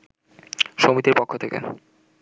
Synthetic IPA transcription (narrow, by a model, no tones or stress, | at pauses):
ʃomit̪iɾpokʰːot̪ʰekḛ